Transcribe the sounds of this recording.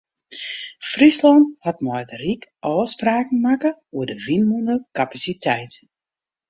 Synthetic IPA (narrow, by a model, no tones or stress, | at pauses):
frislɔnthat̚mɔjtrikʔɔːspraːkn̩makəuədəvinmundəkapasitʰɛjt